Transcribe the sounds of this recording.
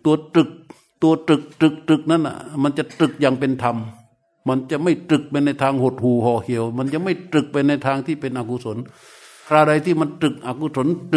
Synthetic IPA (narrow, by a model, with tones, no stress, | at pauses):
t̪u˧ɐt̪ɯ˨˩k̚ | t̪u˧ɐt̪ɯ˨˩k̚t̪ɯ˨˩k̚t̪ɯ˨˩k̚na˧˥˨nːʔa̰˧˩ma˧nt͡ɕa˨˩t̪ɯ˨˩k̚jaː˨˩ŋpe˧nt̪ʰa˧m | ma˧˥nt͡ɕa˨˧˩ma˥˩jt̪ɯ˨˩k̚pa˧jna˧jt̪ʰaː˧ŋho˨˩t̪̚huː˨˩hɔː˧˩hi˧˩əwma˧˥nt͡ɕa˨˧ma˥˩jt̪ɯ˨˩k̚pa˧jna˧jt̪ʰaː˧ŋt̪ʰiː˥˩pe˧nʔaː˨˩ku˧so˨˩˦n | kʰɾaː˧˩da˧jt̪ʰiː˥˩ma˧nt̪ɯ˨˩k̚ʔaː˨˧˩ku˧so˩˦nt̪